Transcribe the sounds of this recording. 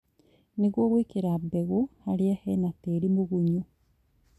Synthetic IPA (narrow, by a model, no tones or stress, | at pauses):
niɣwoɣwiːkiɾabeɣuhaɾiahenateɾimuɣuɲu